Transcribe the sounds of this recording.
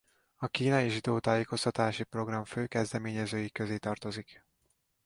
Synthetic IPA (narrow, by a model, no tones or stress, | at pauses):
ɒkiːnɒjiʒid̪oːt̪aːjeːko̞st̪ɒt̪aːʃipro̞ɡrɒɱføːkɛzd̪ɛmeːɲɛzøːjikøzeːt̪ɒrt̪o̞zik